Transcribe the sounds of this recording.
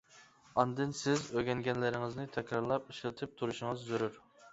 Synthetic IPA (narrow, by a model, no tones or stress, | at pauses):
ɑnd̪ɨnsɪzøɡʲɛŋɡʲɛnlɪɾɪŋɪznɪt̪ʰɛkʲɾɑɾlˠɑpiʃlˠɨt̪ʰɨp̚t̪ʰuɾuʃɪŋɨzːøɾyɾ